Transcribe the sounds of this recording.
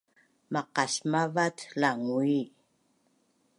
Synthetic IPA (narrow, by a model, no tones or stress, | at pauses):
maqɑsmavatlaŋui